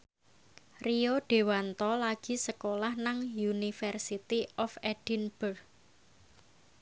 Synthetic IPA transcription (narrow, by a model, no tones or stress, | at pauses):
rioɖ̥e̤want̪ɔlaɡ̥i̤səkolahnaŋjunifɛrsit̪iʔɔfɛɖ̥inb̥ər